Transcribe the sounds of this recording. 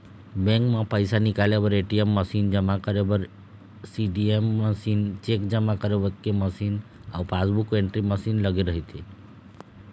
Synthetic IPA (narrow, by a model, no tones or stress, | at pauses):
bẽŋkmãpəjsanikalebəɾeʈiemːəsind͡ʒəmakəɾebəɾ | siɖiemːəsint͡ʃekd͡ʒəmakəɾebəkeməsiːn | a̰upasbukeɳʈɾiməsinləɡeɾəɦit̪ʰi